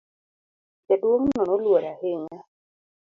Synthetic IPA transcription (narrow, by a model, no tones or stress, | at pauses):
kɛdwoŋnɔnɔlwoɾahɪŋa